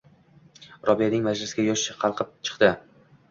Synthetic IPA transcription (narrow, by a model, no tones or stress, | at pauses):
ɾʔɒvijanɪŋmad͡ʒlɪsɡʲajɒʃɪʃɪqʰɑlˠqʰɨp̚t͡ʃʰɨ̥qd̪ɪ